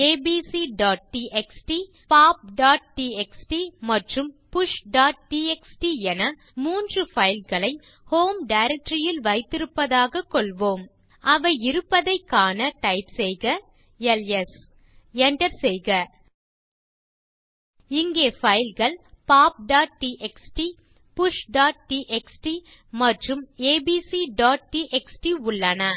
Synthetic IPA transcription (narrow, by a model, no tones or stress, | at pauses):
eːbiːsiɖaːʈ̚ʈiʔɛksʈi | paːp̚ɖaːʈ̚ʈiːɛksʈimɐʈrɯmpʊʂɖaːʈ̚ʈiːɛksʈiɛnɐ | muːndrɯfɐjɪlɣɐɭɐɪ | hoːmɖɐɪɾɛk̚ʈɾɪjɪlʋɐɪt̪ːɪɾɯpːɐðaːɣɐkːɔɭʋoːm | ɐʋɐɪɪɾɯpːɐðɐɪkːaːnɐʈɐɪpsɛjɣɐ | ɛlɛs | ɛɳɖɐɾsɛjɣɐ | ɪŋɡeːfɐɪlɣɐɭpaːp̚ɖaːʈ̚ʈiʔɛksʈi | pʊʂɖaːʈ̚ʈiʔɛksʈi | mɐʈrɯmeːbiːsiɖaːʈ̚ʈiʔɛksʈiʊɭːɐnɐ